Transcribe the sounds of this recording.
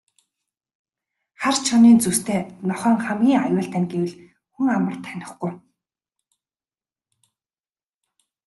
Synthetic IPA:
χart͡ɕʰɔniːnt͡sust̪ʰeːnɔχœːŋχæmɡʲiːŋajʊːɬt̪æ̆ːnɡewɘ̆ɮ | xuŋamə̆r̥t̪ʰːænʲɪ̆χɡuj

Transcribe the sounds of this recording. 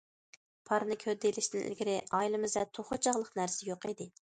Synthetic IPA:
pʰɑɾnɪkʲʰhød̪elɪʃt̪ɪŋʔɪ̰lɡʲɪɾɪʔɑjilˠɨmɨzvɛt̪ʰoχot͡ʃʰɑʁlˠəqnæɾsɪjoqid̪ɪ

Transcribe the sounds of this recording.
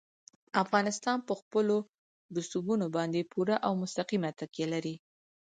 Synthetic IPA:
afɣɑnɪst̪ɑnpəxpəlo | d̪ʊst̪ubunobɑnd̪epuɾaʔawmʊst̪aqimat̪əkjelaɾi

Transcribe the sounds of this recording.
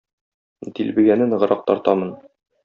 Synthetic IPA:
d̪ilbɘ̆ɡænɘnʁɤ̆ɾɑq̚t̪ɒɾt̪ɑmɤn

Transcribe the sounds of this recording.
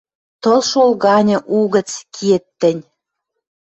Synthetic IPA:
t̪ɤ̆lʃolɣɑnʲɤ̆ʔuɣə̆t͡skʰet̪ːɘ̆nʲ

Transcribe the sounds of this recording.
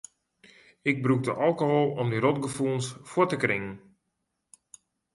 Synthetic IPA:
ɪɡ̚bruk̚də̰ʔɑlˠkoɦolˠɔmdiɾɔtɡəfulˠnsfʊtəkrɪŋən

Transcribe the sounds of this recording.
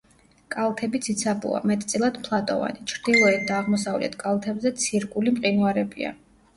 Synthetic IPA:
kʼalˠt̪ʰɛbit̪sʰit̪sʰabṵa̰mɛt̪ʼt̪sʼilˠad̪pʰlˠat̪ʼɔ̰va̰nit͡ʃʰɾd̪̥ilˠɔɛt̪̚ʰd̪aːʁmɔsavlɛ̰t̪ʰkʼalˠt̪ʰɛbzɛt̪sʰiɾkʼulimqʼinuaɾɛbḭa̰

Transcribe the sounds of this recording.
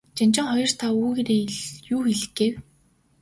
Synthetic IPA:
t͡ɕamt͡ɕɪ̆ŋχɔjɞ̆r̥t̪ʰauːɣeɾeːɮjuːxeɮɘ̆ɡeːw

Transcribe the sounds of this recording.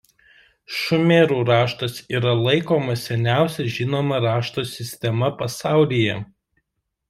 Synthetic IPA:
ʃʊmʲeɾuːɾɑːʃt̪ɐsiːɾɐlˠɐɪkoːmɐsʲɛnʲæˑʊsʲɛʒʲɪnoːmɐɾɑːʃt̪oːsʲɪsʲt̪ʲɛmɐpɐsɑˑʊlʲiːjɛ

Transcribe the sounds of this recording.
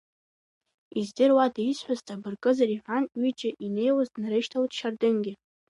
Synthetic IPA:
izdɨrwadaisħʷᶣaztʼabɨrkʼɨzaɾiħʷanɥit͡ʃʼɪʔinejwazdnaɾɨʃtʰawtʰʼʃardɨnɡʲɪ

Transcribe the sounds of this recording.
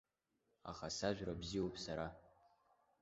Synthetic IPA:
a̰χasaʒᶣʷrabziwopʰsaɾa

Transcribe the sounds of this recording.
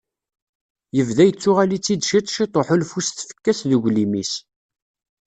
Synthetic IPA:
jəvðæjət͡sːʊʁælit͡sːid̪ʃit̪ˤʃit̪ˤoħolfust̪fə̥kːæsðuʝʷlimis

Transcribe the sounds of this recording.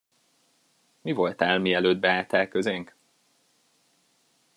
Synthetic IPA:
mivo̞lt̪aːlmiɛløːd̪̚bɛaːt̪aːrkøzeŋk

